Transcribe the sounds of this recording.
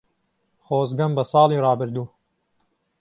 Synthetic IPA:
χoːzɡɐmbɐsɑːlˠiːrɑːbɨɾd̪uː

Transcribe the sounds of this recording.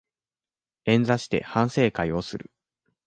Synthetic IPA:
ẽ̞nd͡zaɕi̥t̪e̞̰hãɰ̃se̞ːkaio̞sɨɾɯ̟̰

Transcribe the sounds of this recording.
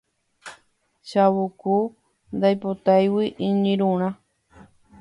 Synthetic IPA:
ʃawuku | nd̪ajpot̪ajwiʔĩɲĩɾũɾ̃ã

